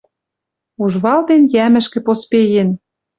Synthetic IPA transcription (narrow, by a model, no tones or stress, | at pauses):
uʒβɑld̪enjæmɘ̆ʃkĕpospejĕn